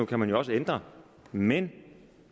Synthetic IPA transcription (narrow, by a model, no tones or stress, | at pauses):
ukʰæmænjoɒ̽səend̥ʁɐ | men